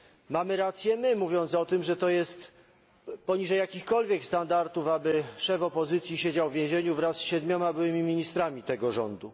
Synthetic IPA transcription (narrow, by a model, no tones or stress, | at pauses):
mamɘɾat̪sʲjɛmɘmuvʲjɔnt̪sɔt̪ɘmʐɛt̪ɔjɛst̪ | pɔɲiʐɛjːakʲixkɔlvʲjɛkst̪and̪aɾt̪ufabɘʂɛvɔpɔzɘt̪sʲjiɕed͡ʑawvʲjẽʑeɲuvɾasːɕɛd̪mʲɔmabɘwɘmʲimʲiɲist̪ɾamʲit̪ɛɡɔʐɔ̰nd̪u